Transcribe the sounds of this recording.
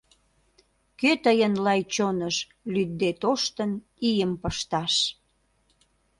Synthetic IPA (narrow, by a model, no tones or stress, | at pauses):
køt̪əjənlɑjt͡ɕonəʃ | lyd̪ːet̪oʃt̪ən | ijəmpəʃt̪ɑʃ